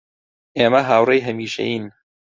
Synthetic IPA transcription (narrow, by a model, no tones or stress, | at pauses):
ʔeːmɐɦaːwrejɦɐmiːʃḛjiːn